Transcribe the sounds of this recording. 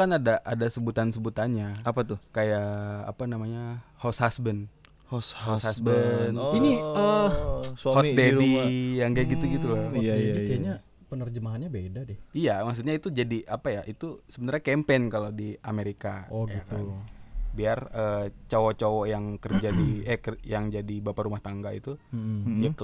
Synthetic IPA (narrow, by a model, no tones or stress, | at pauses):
kanadaʔadasəbut̪ansəbut̪anɲaapat̪ʊkajaa̰panamaɲahoshasbən | hoshoshasbəniniəsahot̪ɛdijaŋɡaɡit̪uɡit̪ulaadikaaɲa | pənərd͡ʒəmaɦanɲabedadɪhijamaks̬ut̪̚ɲait̪ud͡ʒadiʔapajaʔit̪usəbənarɲakɛmpenkalodiameɾikaoɡit̪ubiarət͡ʃawɔt͡ʃowɔjaŋkərd͡ʒadiɛkjaŋd͡ʒadibapaɾumaht̪aŋɡaḭt̪ujak